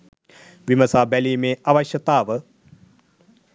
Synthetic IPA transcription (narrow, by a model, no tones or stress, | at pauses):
ʋimɐsaːbɛliːmeːʔaʋɐɕjɐt̪aːʋə